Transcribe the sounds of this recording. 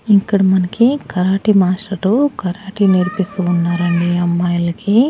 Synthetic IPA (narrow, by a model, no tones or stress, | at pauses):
ikːɐɽɐmɐnɐkikɐɾaːʈimaːsʈɐɾukɐɾaːʈiniɾpist̪uːnːaːɾɐɳɖiɐmːaːjɐlɐki